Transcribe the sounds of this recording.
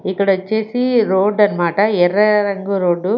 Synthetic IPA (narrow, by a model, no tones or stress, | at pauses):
ikːɐɽɐt͡ʃeːsiɾoːɖɐnmaːʈɐɛɾɐɾɐŋɡuɾoːɖːu